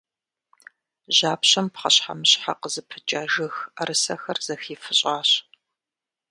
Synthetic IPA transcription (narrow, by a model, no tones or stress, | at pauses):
ʑaːpɕɐmpχɐɕħa̰mɨɕħa̰qəzɨpʰɨt͡ʃʼaːʒɨxaɾɨsɐxɐrz̥ɐxiːfɨɕʼaːɕ